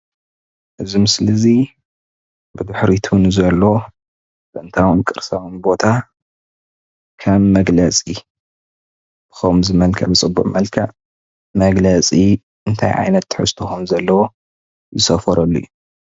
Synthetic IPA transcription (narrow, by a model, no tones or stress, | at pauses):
ʔɨzimɨslɨzi | bɨd̪ɨħɾit̪ʰunzɐlːo̞ | bɨʔnt̪ʰawɨnkʼɨɾsawɨnbo̞t̪ʰa | kʰɐmːɐɡlɐt͡sʼi | b̥ɨ̥xomzɨmɐlkʰɐbɨt͡sʼɨbːuʕmɐlkʰɐʕ | mɐɡlɐt͡sʼi | ʔɨnt̪ʰa̰jʕa̰jnɐt̪ːɨħɨ̰st̪ʰoxumzɐlːɐwo | zɨsɐfɐɾɐlːṵju